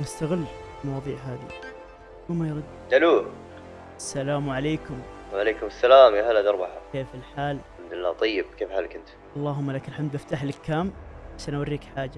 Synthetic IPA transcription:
nɪst̪aɣɪlːlmɑwɑːðˤiːʕɦaːði | umajɾˤʊd̪ːd̪aluː | ʔasːalaːmʕaleːkʊm | wʕaleːkʊmasːalaːmjahalːad̪ɑɾˤbɑħakeːfɪlħaːlħamd̪ʊlɪlːa̰ːt̪ˤɑjːɪb̚keːfħaːlkɪnt̪ | ʔɑlˤːɑːɦʊmːalakalħamd̪ʔaft̪aːħlɪkːaːmaʃʔanawarːiːkħaːd͡ʒa

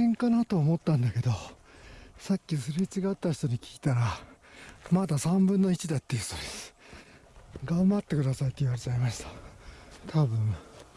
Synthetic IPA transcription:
ẽŋkanat̪o̞ːmo̞t̪ːãnd̪ake̞d̪o̞ | sakʲːisɨɾet͡ɕiɡat̪ːaçi̥t̪o̞ɲ̟ikʲi̥kʲi̥t̪aɾa | mad̪asãmbɯ̟̃nːo̞it͡ɕid̪at̪ːe̞jɯ̟ɕt̪od̪esɨ̥ | ɡãmbat̪ːe̞kɯ̟d̪asait̪ːoiβaɾe̞t͡ɕaimaɕi̥t̪ḁ | t̪ʰabɯ̟̃ɴ

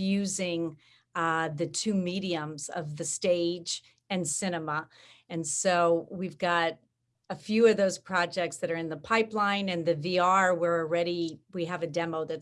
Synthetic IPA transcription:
jʉzɪ̃ŋ | ðɨtʰʉmiɾiɨ̃mzʌ̰vðɨsteɪd͡ʒ | ɨ̃nsɪñəmə | ɨ̃nsoʊwivɡɑɾ | ɨfjʉʌvðoʊz̥pʰɹ̥ɑd͡ʒɛk̚tsðɨɾə˞ɨ̃nðəpʰaɪplãɪ̃nɨ̃nðɨviɑɹwə˞l̩ˠɹɛɾiwiɨvɨdɛmoʊðɨt

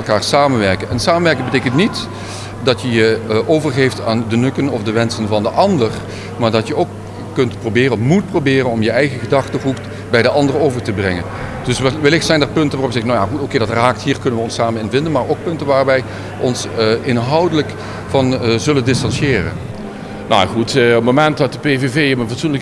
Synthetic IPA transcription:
lˠkaːɹsaːmənʋɛɹkənɛnsaːmənʋɛɹkɪŋbətejkəntnit | dɑtjəjəʔowvərχejftaːndənɵkənɔfdəʋɛnsənvɑndəʔɑndər | maːɹdɑtjəowkː | ɵntprobɪːrənɔfmut̚probɪːrənɔmjəɛjɣəɣədɑχtərukt | bɛjdəʔɑndərəowvəɹtəbrɛŋənd̥ɵsʋʋəlɪxtsɛjndɛːɹpɵntəʋarɔpjzɛɣənowjaχutokejdɑtraːktɦiːɹkɵnəʋəɔnsaːmənɪnvɪndənmaːɹowk̚pɵntənʋaːrʋɛj | ʔɔnsɪnɦɑwdələk | vɑnzɵləndɪstɑnsjɪːrə̰n | nʔa̰jaχutɔpmomɛntdɑtəpevevejəmənvɑtsunlək

